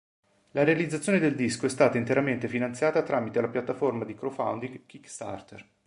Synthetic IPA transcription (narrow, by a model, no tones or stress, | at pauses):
laɾealid̪zat̪sːjoːned̪eld̪iskoɛst̪aːt̪aint̪eɾament̪efinant̪sjaːt̪at̪ɾʔaːmit̪elapjat̪ːaformad̪ikɾofa̰wnd̪iŋɡkikst̪a̰rt̪er